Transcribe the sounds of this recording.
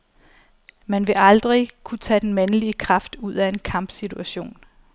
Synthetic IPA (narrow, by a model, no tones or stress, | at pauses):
mænʋe̝ʔɑ̈ld̥ʁikʰut͡sʰɛ̰ːd̥enmænəliəkʰʁɑ̈fd̥uð̞̰ˠæe̝nkʰɑ̈m̰b̥sit͡sʰuæɕo̝̰ːn